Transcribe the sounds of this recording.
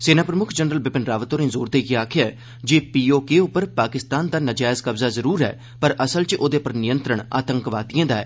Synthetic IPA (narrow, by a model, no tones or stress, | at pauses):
seːnaːpɾəmʊkʰd͡ʒənɾəlbɪpɪnɾaːʋət̪oːnẽːzoːɾd̪eːɡeaːkʰɪjaɛː | d͡ʒeːpiːoːkeːʊpːəɾpaːkɪst̪aːnd̪aːnəd͡ʒaːjzkəbzaːzəɾuːɾɦɛ̰ː | pəɾʔəsəlt͡ʃʔoːd̪eːpəɾnɪjə̃nt̪ɾəɳa̰ːt̪əŋkʋaːt̪ijãːd̪aːɛ̰ː